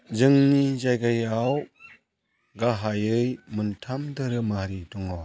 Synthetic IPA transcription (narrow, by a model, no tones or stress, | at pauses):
zɯŋnizajɡajaw | ɡaɦajɯjmuntʰamdɯɾɯmaɾidɔŋa